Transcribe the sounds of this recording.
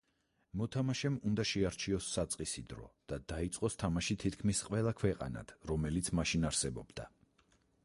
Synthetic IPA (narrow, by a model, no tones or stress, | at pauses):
mɔt̪ʰamaʃɛmund̪aʃɛaɾt͡ʃʰiɔsːat̪sʼqʼisid̪ɾɔ̰d̪̥ad̪̥ait̪sʼqʼɔst̪ʰamaʃit̪ʰit̪ʰkʰmisqʼwɛlˠakʰwɛqʼa̰na̰d̪̥ɾɔmɛlit̪sʰmaʃinaɾsɛbɔbd̪̥a